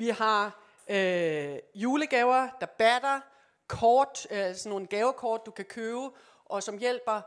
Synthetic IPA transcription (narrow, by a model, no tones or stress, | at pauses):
ʋihɑ̈ | ø | juːləɡ̥ɛːʊɐd̥ɑ̈b̥æd̥ɐ | kʰɒːd̥snːon̩ɡ̥ɛːʊɐkʰɒːd̥̚ːukʰækʰøːʊ | ʔɒ̽sɒ̽mjel̰b̥ɐ